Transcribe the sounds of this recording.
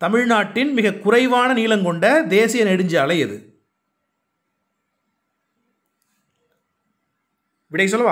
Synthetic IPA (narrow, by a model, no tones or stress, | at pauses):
t̪ɐmɪɻnaːʈːɪnmɪɣɐkʊrɐɪʋaːnɐniːlɐmkɔɳɖɐd̪eːsɪjɐnɛɽɯɲd͡ʒaːlɐɪðɯ̰ | ʋɪɽɐɪs̬ɔlːɐʋaː